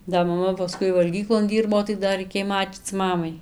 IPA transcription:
dɐ mɐˈmɐ pɐˈskʊɪ ʋɐlʲˈɡʲiːklˠoːn ˈdʲiːrboː tɐɪ dɐ rɐɪˈkʲeːj ˈmɑːt͡ʃʲiːt͡s ˈmɑːmɐɪ

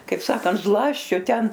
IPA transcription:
kɐɪp ˈsɑːkɐnt ˈzlˠɑːsʲt͡ʃʲoː ˈtʲɛn

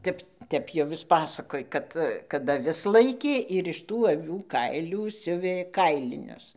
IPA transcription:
ˈtʲɛp ˈtʲɛp jɛʊ ˈjɪs ˈpɑːsɐkoːj ˈkɐt kɐt ɐˈʋʲɪs ˈlˠɐɪkʲeː ɪr ɪʃ ˈtuː ɐˈʋʲuː ˈkɐɪlʲuː ˈsʲʊʋʲeː ˈkɐɪlʲɪnʲʊs

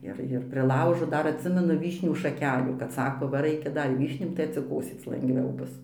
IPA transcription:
ˈɪr ɪr pʲrʲɪˈlˠɐʊʒoː ˈdɐr ɐtʲˈsʲɪmʲɛnʊ ˈʋʲiːʃʲnʲuː ʃɐˈkʲæːlʲuː kɐt ˈsɑːkoː ˈʋɐ ˈrɐɪkʲɛ ˈdɐr ɪ ˈʋʲiːʃʲnʲuː tɐɪ ɐtʲsʲɪˈkoːsʲeːt͡s lˠɐŋɡˈʋʲɛʊ ˈbʊs

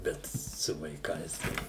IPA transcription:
ˈbʲɛt sʊ ʋɐɪˈkɐɪs tɐɪ

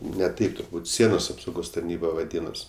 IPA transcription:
nʲɛ ˈtɐɪp tʊrˈbuːt ˈsʲiɛnoːs ɐpsɐʊˈɡoːs tɐrʲˈnʲiːbɐ ʋɐˈdʲiːnoːs

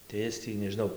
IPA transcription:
tɐɪ ˈɪs tʲiː nʲɛʒʲɪˈnɐʊ

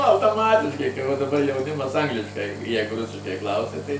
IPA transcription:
ɐʊtoːˈmɑːtʲɪʃkɐɪ kɐɪ ʋɐ dɐˈbɐr jɛʊˈnʲɪmɐs ˈɐŋɡlʲɪʃkɐɪ ˈjɛɪɡʊ ˈrʊsʲɪʃkɐɪ ˈklˠɐʊsʲɛ tɐɪ

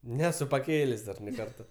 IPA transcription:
ˈnʲæːsʊ pɐˈkʲeːlʲeːsʲ dɐr nʲɛɪ ˈkɐrtɐ

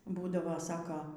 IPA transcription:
ˈbuːdɐʋoː ˈsɑːkoː

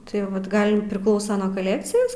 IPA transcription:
tɐɪ ˈʋɐt ˈɡɐlˠ pʲrʲɪˈklˠɐʊsɐ nuɔ ˈkɑːlʲɛkt͡sʲɪjɛs

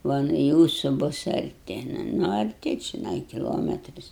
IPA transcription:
ˈʋɐ nʊ ˈjuːsʊ ˈbʊs ɐrʲˈtʲɪ ˈnʊ ɐrʲˈtʲɪ t͡ʃʲɪˈnɐɪ kʲɪˈlˠoːmʲɛtʲrʲɪs

